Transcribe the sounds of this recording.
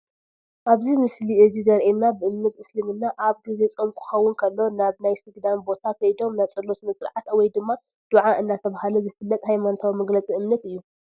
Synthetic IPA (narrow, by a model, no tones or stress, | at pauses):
ʔaβzimɨsliʔɨzizɐɾʔenːabɨʔɨmnɐt̪ɨslimɨnːaʔaβɡize̞t͡sʼomkʰɨ̥xɐwːʊnkʰɐlːo̞naβnajsɨɡd̪anbo̞t̪ʰakʰɐjd̪o̞mnajt͡sʼɐlːosnɐt͡sʼɾʕat̪wɔjd̪ɨmːa | d̪̥uʕaʔɨnːat̪ʰɐβahaluzɨfɨlːɐt̪ʼhajmanot̪ʰawmɐɡlɐt͡sʼiɨmnɐt̪ɨjːu